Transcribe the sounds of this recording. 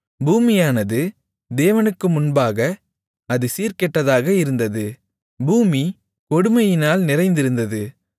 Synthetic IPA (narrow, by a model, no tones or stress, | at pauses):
buːmɪjaːnɐðɯ | d̪eːʋɐnɯkːɯmʊnbaːɣɐ | ɐðɯsiːɾkɛʈːɐðaːɣɐɪɾɯnd̪ɐðɯ | buːmi | kɔɽɯmɐjɪnaːlnɪɾɐɪnd̪ɪɾɯnd̪ɐðɯ